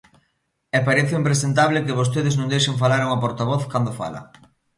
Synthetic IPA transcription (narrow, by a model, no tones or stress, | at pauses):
ɛpaɾɛθeimpɾesent̪aβlɪkɪβ̞os̬t̪eðɪznõŋd̪ejʃeŋfalaɾoŋapoɾt̪aβ̞ɔθkand̪ofa̰lɐ̰